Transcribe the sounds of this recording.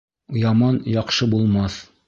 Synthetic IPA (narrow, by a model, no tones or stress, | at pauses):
jɑmɑnjɒqʃɤbulˠmɑθ